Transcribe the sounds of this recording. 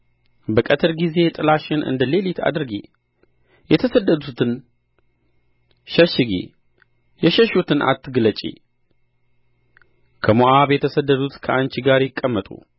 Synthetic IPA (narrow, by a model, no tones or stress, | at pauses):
bəkʼət̪ʰɨɾɡize̞t̪ʼɨlaʃɪnʔɨ̰nd̪əle̞lit̪ʰa̰d̪ɨɾɨɡḛ | jɛt̪ʰəsəd̪ːəd̪ut̪ʰɨn | ʃəʃɪɡḛ | jɛʃəʃut̪ʰɨnʔa̰t̪ʰːɨɡɨlət͡ʃʼḛ | kʰəmoʔaβjɛt̪ʰəsəd̪ːəd̪ut̪kʰəʔant͡ʃɪɡaɾjɪkʼːəmːət̪ʼṵ